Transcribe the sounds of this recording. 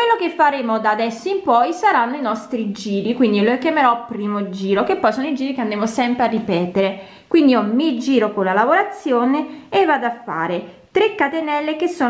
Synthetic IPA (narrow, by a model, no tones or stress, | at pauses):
kwelːok̟efːaɾeːmod̪ad̪ɛsːoimpɔjsaɾanːoinɔst̪ɾid͡ʒiːɾikwind̪ilokjameɾɔpːɾiːmod͡ʒiːɾokepːɔjsoːnoid͡ʒiːɾikeand̪ɾemosɛmpɾearːipɛːt̪eɾe | kwind̪iomid͡ʒiːɾokolalavoɾat̪sːjoːneːvːad̪afːa̰ːɾe | t̪ɾekːat̪enɛlːekesːoː